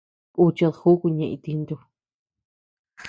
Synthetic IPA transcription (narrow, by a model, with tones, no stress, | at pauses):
ku˧t͡ʃa˧ðxu˦ku˧ɲẽ˧ʔḭ̃˧t̪i˧nd̪u˧ | x